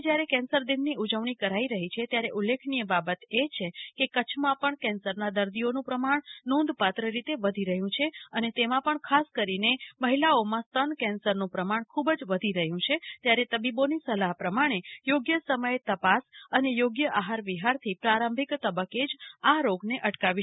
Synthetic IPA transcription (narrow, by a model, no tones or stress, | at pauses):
d͡ʒjaɾekɛ̃nsəɾd̪inːiʔud͡ʒəʋɳ̃ikəɾaiɾəɦit͡ʃʰet̪jaɾeʔulːekʰnijəbabət̪et͡ʃʰekekət͡ʃʰmãpəɳkɛ̃nsəɾnad̪əɾd̪ionũpɾəmaɳnõnd̪ʱpat̪ɾəɾit̪eʋəd̪ʱiɾəɦjũt͡ʃʰeənet̪emãpəɳkʰaskəɾineməɦilaomãst̪ənkɛ̃nsəɾnũpɾəmaɳkʰubd͡ʒʋəd̪ʱiɾəɦjũt͡ʃʰet̪jaɾet̪əbibonisəlaɦpɾəmaɽ̃ejoɡjəsəməjet̪əpasənejoɡjəʔaɦaɾʋiɦaɾt̪ʰipɾaɾə̃mbʱikt̪əbəked͡ʒaɾoɡneʔəʈkaʋi